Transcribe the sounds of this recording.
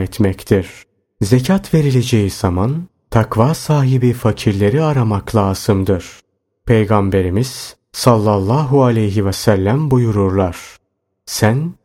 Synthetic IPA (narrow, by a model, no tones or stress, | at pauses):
ɛt̪mɛct̪ʰiɾ̥ | ze̞cʰat̪ve̞ɾilʲe̞d͡ʒe̞jiz̥aman | t̪ʰakvaːsaːɦibifacʰiɾlʲe̞ɾiaɾamaklˠaːz̥ɯmd̪ɯɾ̥ | pʰe̞jɡambe̞ɾimiz̥ | salˠːalˠːaːɦualʲejɦivɛsælʲːæmbujuɾuɾlˠaɾ̥ | sæn